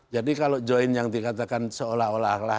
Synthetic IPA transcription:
d͡ʒadikalod͡ʒɔinjaŋdikat̪akansəolaɦolahakla

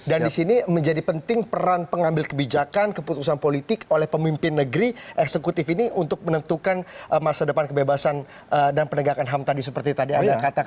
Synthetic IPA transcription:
dandisiniməɲd͡ʒadipənt̪ɪŋpəɾanpəŋambɪlkəbid͡ʒakankəput̪usanpolit̪ɪkolɛhpəmimpɪnːəɡɾiʔɛksəkut̪ɪfiniʔunt̪ʊk̚mənənt̪ukanəmasadəpankəbebasan | ədanpənəɡakanɦamt̪adis̬əpərt̪it̪adiadakat̪a

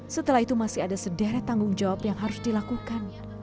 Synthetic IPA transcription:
sət̪əlahit̪umasiadasədaɾat̪aŋɡʊŋd͡ʒawapjaŋɦaɾʊsdilakukan

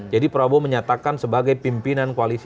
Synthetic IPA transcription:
d͡ʒadipəɾabɔməɲat̪akansəbaɡajpimpinankualis

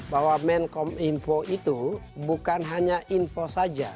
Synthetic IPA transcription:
bawamɛnkɔminfɔʔit̪u | bukanɦaɲaʔinfosad͡ʒa

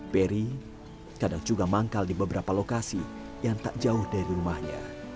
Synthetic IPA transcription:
peɾi | kadaŋd͡ʒuɡamaŋkaldibəbəɾapalokasi | jaŋt̪aʔd͡ʒaʊhdaɾiɾumahɲa̰

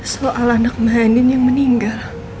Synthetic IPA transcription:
soʔalanak̚maɦanɪnjaŋməniŋɡal

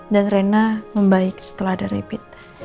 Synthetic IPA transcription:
danrenaməmbaɪksə̥t̪əlahadaɾḛpɪt̪̚

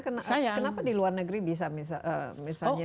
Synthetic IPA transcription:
kənaajakənapadiluarnəɡəɾibis̬amis̬aʔə̰misalɲa

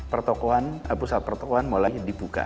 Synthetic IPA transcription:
pərt̪ɔkoanapusat̪̚pərt̪ɔkɔanmolajdipuka̰

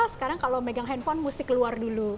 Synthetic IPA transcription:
sə̥kaɾaŋkalowmeɡaŋɦɛnfɔnmusɪkəluardulu

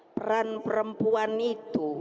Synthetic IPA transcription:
pəɾanpəɾəmpuanit̪u

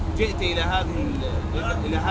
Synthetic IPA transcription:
d͡ʒɪʔt̪ʔɪlaɦaːðɪhɪl | ʔɪlaʔɪlaɦaː

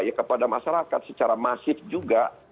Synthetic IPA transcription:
jakəpadamaʃaɾakat̪̚sət͡ʃaɾamasɪfd͡ʒuɡa

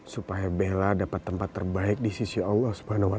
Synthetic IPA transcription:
supajabeladapat̪ːəmpat̪ːərbaɪk̚disisiɑlːɑhsu̥baɦanawa

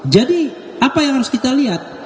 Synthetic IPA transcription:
d͡ʒadi | apajaŋɦaɾʊskit̪aliɦat̪̚

